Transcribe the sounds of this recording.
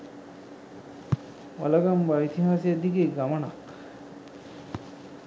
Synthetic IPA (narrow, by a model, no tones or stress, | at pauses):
ɔ̰laɡambait̪ʰiɦased̪ikeɡamaɳa̰k